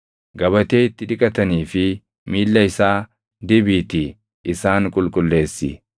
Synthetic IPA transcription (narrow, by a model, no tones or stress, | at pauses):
ɡɐβɐt̪e̞ːɪt̪ːɪᶑɪkʼɐt̪ɐniːfɪ | miːlːɐɪsaː | d̪ɪbit̪ɪ | ʔɪsaːŋkʼʊlkʼʊlːe̞ːsːɪ̰